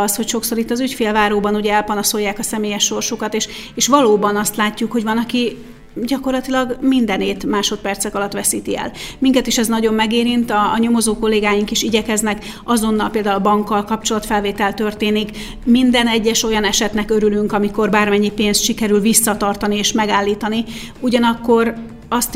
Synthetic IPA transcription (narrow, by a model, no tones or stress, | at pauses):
sho̞cʃo̞ksoːɾit̪ːɒzycfeːlvaːɾoːbɒnuɟɛɛlpɒnoso̞jːaːkɒsɛmeːjɛʃːo̞rʃukɒt̪eːʃ | eːʃʋɒloːbɒnɒst̪laːcːukho̞ɟvɒnɒki | ɟɒko̞rlɒt̪ilɒɡmind̪ɛneːt̪maːʃo̞t̪̚pɛrt̪sɛkɒlɒt̪ʋɛsiːt̪iɛ̰lmiŋkɛt̪iʃɛznɒɟo̞mːɛɡeːɾint̪ɒːɲo̞mo̞zoːko̞lːeːɡaːjiŋkiʃiɟɛkɛznɛk | ɒzo̞nːɒlpeːld̪aːulɒbɒŋkːɒlkɒp̚t͡ʃo̞lɒt̪fɛlveːt̪ɛlt̪ø̞rt̪eːnik | mind̪ɛnɛɟːɛʃo̞jɒnɛʃɛt̪nɛkøɾylyŋkɒmiko̞rbaːrmɛɲːipeːnst̪ʃikɛɾylvisːɒt̪ɒrt̪ɒnieːʃmɛɡaːlːiːt̪ɒni | uɟɒnɒkːo̞r | ɒst̪